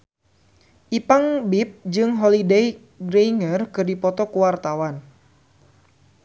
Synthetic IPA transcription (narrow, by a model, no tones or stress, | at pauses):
ʔipaŋbip̚d͡ʒɨŋɦɔlidɛj | ɡɾejŋərkɨrdipɔt̪ɔkuwart̪awan